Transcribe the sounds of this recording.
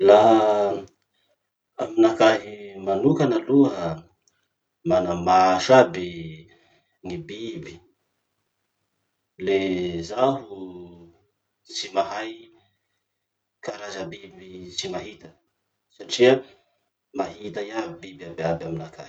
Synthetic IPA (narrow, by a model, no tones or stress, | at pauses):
la | aminakaɦimanukanaluɦə | manamaʃabi | ŋibibi | lezaɦu | t͡simaɦaj | kaɾazəbibit͡simaɦit̪ə̥ | saʈ͡ʂia | maɦit̪ajabibiabiabaminaka̰hi̥